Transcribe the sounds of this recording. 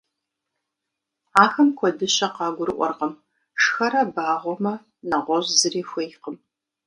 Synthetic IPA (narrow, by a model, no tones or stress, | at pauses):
aːxɐmkʷʰɔdɨɕɐqɑːɡʷʊɾɨʔʷɔ̰rqɐm | ʂxɐɾɐbaːʁʷɔmɐ | nɐʁʷɔʑzɨriːxʷejqəm